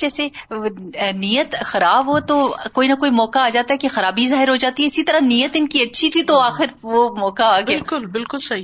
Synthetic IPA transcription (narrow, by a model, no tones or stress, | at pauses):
d͡ʒɛːse | nijət̪xɐɾaːbɦot̪okoːinɐkoːimɔːkaːd͡ʒaːt̪aɦɛkexɐɾaːbizaːɦɪɾɦod͡ʒaːt̪iɦɛɪsit̪ɐɾanijət̪ɪnkiɐtːʃʰit̪ʰit̪oaːxɪɾʋomɔːkaaːɡbejalkʊlbɪlkʊlsɐɦi